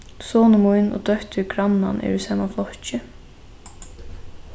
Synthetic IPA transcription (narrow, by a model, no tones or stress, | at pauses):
soːnəmujnɔ̰d̪œht̪ʏɡɾanːa̰nʔɛ̰ɾysaːmaflɔht͡ʃɪ